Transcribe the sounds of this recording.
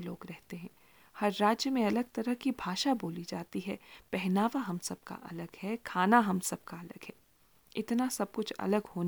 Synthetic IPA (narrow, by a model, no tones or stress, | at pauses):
loːɡɾɛɦt̪eɦɛ̃ː | hɐɾːaːd͡ʒjəmẽɐləɡt̪ɐɾəɦkibʱaːʃaboːlid͡ʒaːt̪iɦɛpɛɦnaːʋaɦɐmsɐb̚ka̰ʔɐləɡhɛkʰaːnaɦɐmsɐb̚kaɐlə̰ɡɦɛː | ɪt̪nasɐb̚kʊt͡ʃʰɐ̰ləɡhoːn